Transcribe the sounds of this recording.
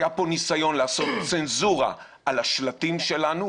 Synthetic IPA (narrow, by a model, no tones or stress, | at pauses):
japo̞nisajo̞nlaːso̞t̪t͡senzuʁa̰ | ʔalaʃlat̪imʃe̞lanu